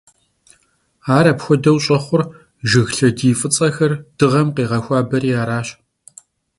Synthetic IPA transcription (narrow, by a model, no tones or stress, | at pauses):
aːɾɐpxʷɔdɐwɕʼɐχʷʊr | ʒɪɣɬɐdiːfʼɨt͡sʼɐxɐrd̥ɨʁɐmqiːʁɐxʷɑːbɐɾiːaːɾaːɕ